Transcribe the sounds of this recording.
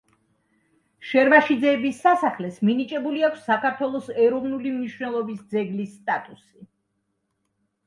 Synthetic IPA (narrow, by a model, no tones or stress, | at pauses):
ʃɛɾvaʃid̪zɛːbisːasaχlɛsminit͡ʃʼɛbuliakʰsːakʰaɾt̪ʰwɛlˠɔsɛɾɔvnulimniʃvnɛlˠɔbisd̪zɛɡlisːt̪ʼat̪ʼusi